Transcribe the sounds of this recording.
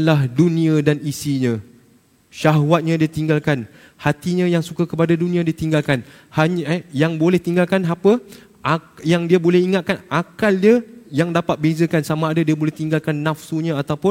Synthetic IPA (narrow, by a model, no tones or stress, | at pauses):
lahdunĩadanisiɲã | ʃaɦwat̪̚ɲãdiat̪iŋɡalkan | hat̪iɲãjaŋsukakəpadadunĩãdiat̪iŋɡalkan | haɲjaŋbolɛht̪iŋɡalkanɦapə | ʔajaŋdiabolɛhiŋat̪̚kanakaldajaŋdapat̪̚bezəkansamãːdadiabolɛht̪iŋɡalkanːafsuɲãat̪awpʊn